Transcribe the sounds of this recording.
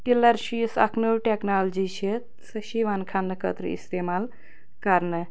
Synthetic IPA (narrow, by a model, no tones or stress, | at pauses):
ʈilɐɾʃisɐ̰kʰnuwʈeknald͡ʒit͡ʃʰit̪ | sɐʃiʋaːnkʰanːɨkə̰t̪ɾə̰ḭst̪eːmaːl | kɐɾnɨ